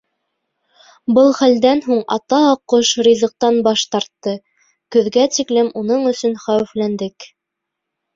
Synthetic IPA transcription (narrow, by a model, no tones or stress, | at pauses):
bɤlˠχæld̪ænɦuɴɑ̰t̪ɑɑqːoʃɾʲizɤ̆q̚t̪ɑnbɑʃt̪ɑɾt̪ːɤ | kɵ̆ðɡæt̪iklɘmunɤɴɵ̆sɵnχæwɘ̆flænd̪ɘk